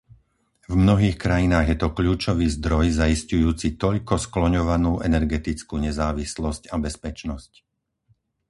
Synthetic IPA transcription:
vmnɔɦiːxkɾajinaːɣjɛt̪ɔkʎuːt͡ʃɔʋiːzd̪ɾɔjzaiscujuːt͡sit̪ɔʎkɔsklɔɲɔʋanuːʔɛnɛɾɡɛt̪it͡skuːɲɛzaːʋislɔscabɛspɛt͡ʃnɔsc

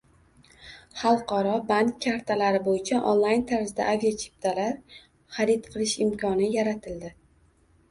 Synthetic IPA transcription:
χɑlˠqɒɾɒbankʲʰːaɾt̪ʰalaɾɪbojɪt͡ʃʰaʔo̰nlˠajnt̪ʰaɾzd̪a̰ʔavijat͡ʃʰi̥p̚t̪ʰalaɾ | χaɾɪt̪qʰɨlˠɪʃɪmkʲʰɒnɪjaɾat̪ʰɪld̪ɪ

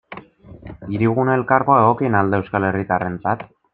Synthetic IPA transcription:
iɾiɣ̞unae̞lkaɾɣoaeɣ̞o̞kienald̪eewskale̞rit̪are̞nt͡sat̪

